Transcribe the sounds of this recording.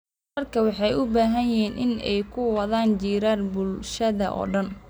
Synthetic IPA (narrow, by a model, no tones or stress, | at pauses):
ɐrkʰɐwɑħɑjʊbaːɦɐnjɪiːnʔɪnɛ̰jkʰʊwɐðaːnd͡ʒiːɾaːrbʊlʃɐðɐʔɔ̰ːɖɐn